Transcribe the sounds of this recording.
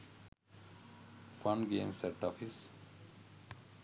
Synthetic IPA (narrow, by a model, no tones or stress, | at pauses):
fãɳɡeːmsɛʈːɔːfis